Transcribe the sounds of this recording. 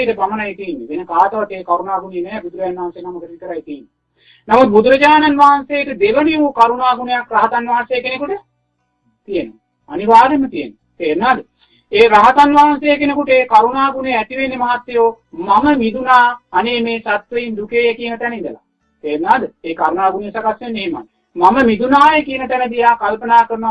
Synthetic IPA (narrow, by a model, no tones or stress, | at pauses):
iʈəpamɐnajt̪iːnːeʋenəkaːt̪ɐʋat̪ːeːkaɾunaːɡunejnɛːbud̪uɾɐd͡ʒanʋaɦansejnaməkəʈik̪əɾajt̪iːinːe | namut̪̚bud̪uɾɐd͡ʒaːnanʋaɦansejekəd̪eʋəniʋukaɾunaːɡunejakraɦat̪anʋaɦansejːkenekuʈə | t̪ijeno | aniʋaːd̪emət̪ijeno | t̪eːnaːd̪ə | eːɾaɦat̪anʋaɦansejekenekuʈəeːkaɾunaːɡunejæt̪iʋenːemaɦat̪ːejoː | maməmid̪unaːneːmeːsat̪ʋəjind̪ukeːjekijənət̪ɛnəid̪əla̰ | t̪eːɾnaːd̪əeːkaɾunaːɡunejesakasːenːeːma̰n | maməmid̪unaːjekijənət̪ɛnəd̪ijaːkalpənaːkəɾn